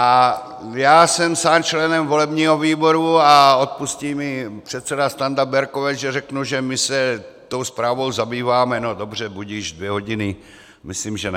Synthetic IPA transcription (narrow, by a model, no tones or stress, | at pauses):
ʔa | jaːsɛmsaːnt͡ʃlɛnɛmvo̞lɛbɲiːɦo̞viːbo̞ɾuao̞t̪̚pusciːmɪpr̥ɛt̪sɛdast̪and̪abɛɾkovɛʒɛrɛknuʒɛmɪsɛt̪o̞wspɾaːvo̞wzabiːvaːmɛnodo̞br̝ɛbuɟiːʒdvjɛɦo̞ɟɪnɪ | mɪsliːmʒɛn